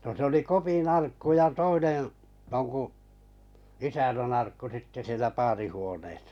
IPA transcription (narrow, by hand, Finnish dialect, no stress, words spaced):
no se oli kopin ɑrkːu jɑ toinẽː joŋku isænænː ɑrkːu sitːe sielæ pɑːrihuoneːsɑ̥